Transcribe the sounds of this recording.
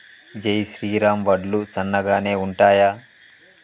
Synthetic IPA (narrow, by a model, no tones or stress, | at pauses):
d͡ʒɐjʃɾiːɾaːmʋɐɖlusɐnːɐɡaːne̞ːuɳʈaːjaː